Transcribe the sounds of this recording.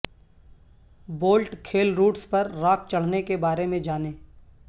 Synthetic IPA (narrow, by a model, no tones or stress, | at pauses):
boːlʈkʰeːlɾuːʈspɐɾːaːk̚ʰt͡ʃɐɽ̤nekebaːɾemẽd͡ʒaːneː